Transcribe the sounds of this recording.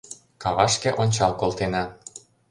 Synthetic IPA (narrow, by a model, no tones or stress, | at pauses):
kɑβɑʃkĕʔonʲt͡ɕɑlkolt̪enɑ